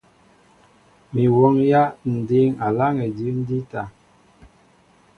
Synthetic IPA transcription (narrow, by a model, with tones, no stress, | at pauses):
mi˨wɔ˦ŋja˦n̩˨de˦ŋa˨la˦ŋɛ˨di˨˦n̩˦di˦ta˨